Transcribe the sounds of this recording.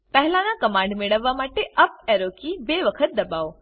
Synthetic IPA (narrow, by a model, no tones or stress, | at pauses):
pɛɦlãnakəmãːɳɖmeɭəʋːamaːʈeʔɐp̚eːɾokibeːʋəkʰət̪̚d̪ɐbaːoː